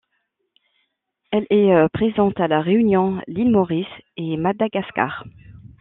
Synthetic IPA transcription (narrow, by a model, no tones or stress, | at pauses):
ɛlɛøpχezɑ̃t̪alaʁeynjɔ̃lilmɔʁisemad̪aɡaska̰ʁ